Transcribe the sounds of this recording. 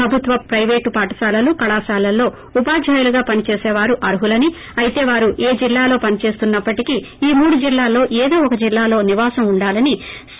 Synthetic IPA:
ɾɐbʱut̪ʋɐpɾɐjʋeːʈupaːʈɐ̥saːlɐlukɐɭaːsaːlɐlːo̞ː | upaːd͡ʒʱaːjuluɡaːpɐnit͡ʃe̞ːsɛːʋaːɾuʔɐɾɦulɐni | ɐjit̪e̞ːʋaːɾuʔeːd͡ʒilːaːlo̞ːpɐnit͡ʃe̞ːst̪unːɐpːɐʈiki | iːmuːɽud͡ʒilːaːlo̞ːʔeːd̪o̞ːɔkɐd͡ʒilːaːlo̞ːniʋaːsɐmuɳɖaːlɐni

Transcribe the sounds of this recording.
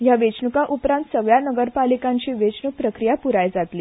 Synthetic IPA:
jaʋet͡ɕɳukaʔupɾãnt̪səɡɭjanəɡəɾpalikãɲt͡ɕiːʋet͡ɕɳuk̚pɾəkɾijapuɾajd͡zat̪liː

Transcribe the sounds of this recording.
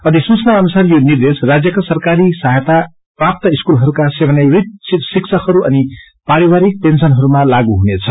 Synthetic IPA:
ʌd̪isut͡snaʌnusarjonird̪esrad͡zjʌkasʌrkaɾisaɦjʌt̪a | prap̚t̪ʌiskulɦʌɾukasebʱʌnerit̪̚sisiksʰʌkhʌɾuʔʌni | paɾiwaɾik̚pensʌnɦʌɾumalaɡuɦunet͡sʰʌ

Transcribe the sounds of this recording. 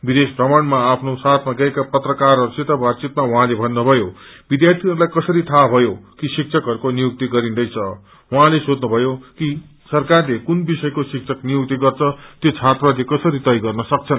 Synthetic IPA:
bid̪esprʌmaɳmaːpʰnosat̪ʰmaɡʌekapʌt̪rʌkarʌsit̪ʌbat͡sit̪̚mawuɦãlebʱʌnːubʱʌjobid̪jart̪ʰiɦʌɾulajkʌsʌɾit̪ʰabʱʌjokisikt͡sʰʌkɦʌɾukonijuk̚t̪iɡʌɾind̪ʌjt͡sʰʌ | wuɦãlesod̪nubʱʌjoki | sʌrkarlekunbisʌjkosik̚t͡sʰʌknijuk̚t̪iɡʌrt͡sʰʌt̪jot͡sʰat̪ralekʌsʌɾit̪ʌjɡʌrnʌsʌk̚t͡sʰʌn

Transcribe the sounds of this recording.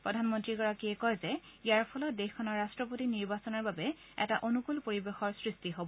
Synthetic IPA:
pɹɔdʱanmɔntɹiɡɔɹakiɛkɔjzɛijaɹpʰɔlɔtdexkʰɔnɔɹːastɹɔpotiniɹbasɔnɔɹbabɛ | ɛ̰taʔonukulpoɹibexɔɹsɹistiɦobɔ

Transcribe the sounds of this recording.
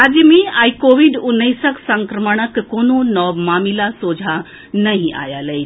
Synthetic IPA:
ad͡ʒəmẽaikoʋiɖunːəjsəksəŋkɾəməɳ̃əkːononɔbmaːmilasod͡ʒʱa | nəɦĩʔa̰jaləj

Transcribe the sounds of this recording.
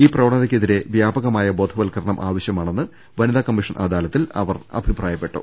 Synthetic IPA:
iːprɐʋɐɳːɐðɐkʲːeðiɾe̞ʋjaːbɐɣɐmaːjɐbo̞ːd̪ʱʰɐʋɐlkɐɾɐɳɐmʔaːʋɐɕjɐmaːɳe̞nːɨ | ʋɐniðaːkɐmːiʂɐnʔa̰ːd̪aːlɐt̪ːilɐ̰ʋɐrɐ̰bʱipraːjɐpːe̞ʈːṵ

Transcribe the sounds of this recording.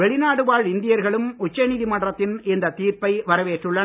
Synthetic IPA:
ɛɭɪnaːɽɯʋaːɭɪnd̪ɪjɐɾɣɐɭɯmʊt͡ʃːɐniːðimɐɳɖrɐt̪ːɪnɛnd̪ɐt̪iːɾpɐɪʋɐɾɐʋeːʈrɯɭːɐ

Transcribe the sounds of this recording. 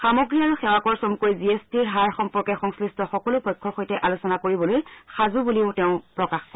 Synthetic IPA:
xamoɡɹiaɹuxɛwakɔɹsomkojziestiɹɦaɹxɔmpɔɹkɛxɔŋslistɔxɔkɔlʊpʰɔjkʰːɔɹxojtɛʔalosɔnakoɹibɔlojxazubuliʊtɛʊ̃pɹɔkaxkɔ

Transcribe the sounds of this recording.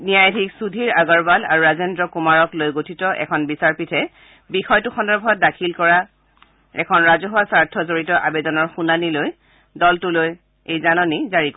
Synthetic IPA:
niajdʱiksudʱiɹaɡɔɹbala̰ɹuɹazendɹɔkumaɹɔklojɡotʰitɔʔɛ̰kʰɔnbisaɹpitʰɛ | bixɔjtʊxɔndɔɹbʱɔt̚dakʰilkɔɹa | ɛ̰kʰɔnɹazɔɦwasaɹtʰɔzoɹitɔʔabɛdɔnɔɹxunaniloj | dɔltʊloj | ejzanɔnizaɹik

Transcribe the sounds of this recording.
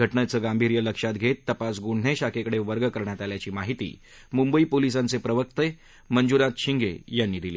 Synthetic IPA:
əʈnat͡səɡambʱiɾjələkʂat̪ɡʱet̪ːəpasɡuɳ̤ɳeɕakekəɽeʋəɾɡəkəɾɳjat̪aljat͡ɕiːmaɦit̪ḭː | mumbəipolisãnt͡sepɾəʋək̚t̪ə | mənd͡zuɾat̪ɕiŋɡḛjanːiːd̪ilḭː

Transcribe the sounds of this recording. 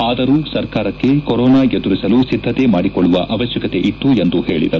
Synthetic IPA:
aːd̪ɐɾuːsɐɾkaːɾɐkːe̞kɔɾɔːnaːed̪uɾisɐlusid̪ʱːɐt̪emaːɽikɔɭːuʋɐʔɐʋɐʃjɐkɐt̪e̞ʔit̪ːue̞nd̪uhe̞ːɭḭd̪ɐɾu

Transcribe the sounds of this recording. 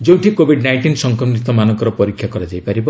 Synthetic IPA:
d͡ʒew̃ʈikobʱiɖnajnʈinsɔŋkɾɔmnit̪ɔmanɔŋkɔɾɔpɔɾikʰːjakɔɾad͡ʒajpaɾibɔ

